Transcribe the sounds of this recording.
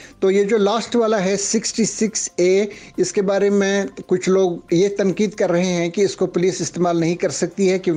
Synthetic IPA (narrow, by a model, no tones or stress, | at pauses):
t̪oːjed͡ʒoːlaːsʈʋaːlaɦɛsɪksʈisɪkseːɪskebaːɾemẽkʊt͡ʃʰloːɡjet̪ɐ̃ŋkiːd̪kɐɾːɐɦeɦɛ̃kiɪskopʊliːsɪst̪eːmaːlnɐɦĩkɐɾsɐk̚t̪iɦɛkjõː